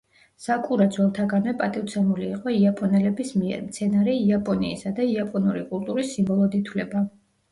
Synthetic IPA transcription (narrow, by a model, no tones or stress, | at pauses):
sakʼuɾad̪zwɛlˠt̪ʰaɡanwɛpʼat̪ʼiwt̪sʰɛmuliːqʼɔiapʼɔnɛlɛbismiɛ̰ɾmt̪sʰɛnaɾiiapʼɔniisad̪aiapʼɔnuɾikʼulˠt̪ʼuɾisːimbɔlˠɔd̪it̪ʰwlɛba